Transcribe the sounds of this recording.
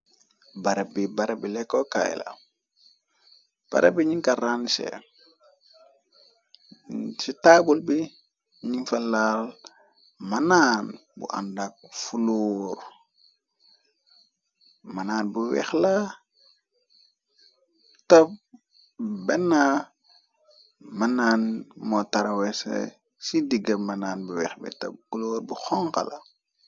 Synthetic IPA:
baɾebibaɾebilɛkːoka̰j̰la̰ | b̥a̰ɾebiɲiŋkaɾansḛ | sitabulbi | ɲiŋfalal | manaːnbṵʔa̰ndak̚fuluːɾ | mɐnaːnbuwɛ̰xla | tɐp̚ | bɛnːa | mɐnaːnmɔtɐɾɐwɛsɛ̰ | sidiɡɐmɐnaːnbuwɛ̰xbḭtɐ̰b̚kuloːɾbuxɔŋkɐ̰lʔa

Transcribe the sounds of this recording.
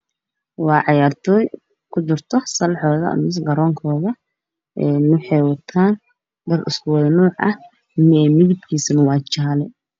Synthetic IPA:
wɑːʕɑjaːrt̪ʰɔːj | kʰʊt͡ʃɪrt̪ʰɔsɐlħɔːðɐ̰mɪs̬ɡɐɾɔːŋkʰɔːðɐ | ʔɛːnʊħɛjwɐt̪ʰaːn | dɐrɪskʊwɑðɐnuːʕʔɐ̰h | mɪɛːmɪðɪb̚kʰiːsɐnɐwɑːt͡ʃaːlɛ

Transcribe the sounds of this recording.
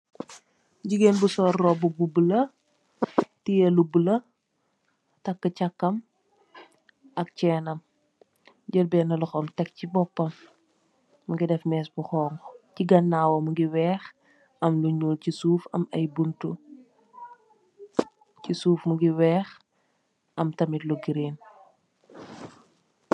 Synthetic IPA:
ɟiɡenbusɔːrːɔbububulɐ | tijɐlubulɐ | tɐkːəcɐkːɐm | ʔɐk̚t͡ʃɛːnɐm | ɟəlbɛːnɐlɔxɔmtɛk̚cibɔpːɐmː | ɐɡidɛfmɛːsbuxɔːŋɡciɡɐnːaːwɐmuɡiwɛːx | ɐmluɲoːlcisuːfɐ̰mɐjbuntu | cisuːfmuɡiwɛːx | ɐmtɐmitluɡiɾeːn

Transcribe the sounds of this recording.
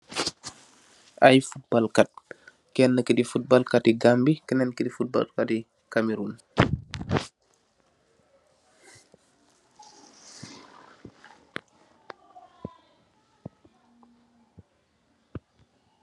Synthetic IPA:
ʔajfut̚balkat̚ | kɛnːəkidifut̚balkatiɡambikɛnɛnkidifut̚ba̰lkati | kamiɾun

